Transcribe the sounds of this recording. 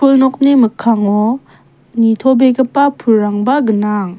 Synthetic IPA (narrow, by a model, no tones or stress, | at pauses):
pʰulnɔk̚nemɯkʰːaŋɔ | nit̪ʰɔbeɡəpapʰuɾːaŋbaɡɯnaŋ